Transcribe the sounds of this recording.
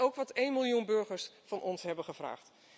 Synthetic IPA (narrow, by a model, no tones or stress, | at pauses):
owkʋɑtejnmɪlˠjunbɵɹχəɹsfɑnʔɔnsɦɛbənχəvra̰ːχt